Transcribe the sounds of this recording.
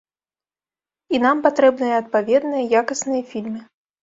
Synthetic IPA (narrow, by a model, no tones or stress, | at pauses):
inampat̪ɾɛbnɨjɐɐt̪̚pavʲɛd̪nɨjɐjakɐsnɨjɐfʲilʲmɨ